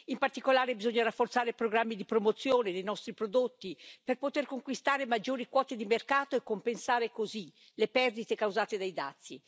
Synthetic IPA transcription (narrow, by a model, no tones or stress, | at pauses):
impart̪ikolaːɾebizoɲːaɾafːort̪saːɾepɾoɡɾamːid̪ipɾomot̪sːjoːned̪ejnɔst̪ɾipɾod̪ot̪ːiperpot̪erkoŋkwist̪aːɾemad͡ʒːoːɾikwɔːt̪ed̪imerkaːt̪oekːompensaːɾekozi | lepɛrd̪it̪ekawzaːt̪ed̪ajd̪a̰t̪sːi